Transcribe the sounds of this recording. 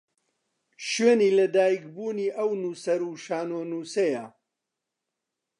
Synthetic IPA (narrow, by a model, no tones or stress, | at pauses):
ʃɥeːniːlɐd̪aːjik̚buːniːʔɐwnuːsɐɾuːʃaːnoːnuːsɐja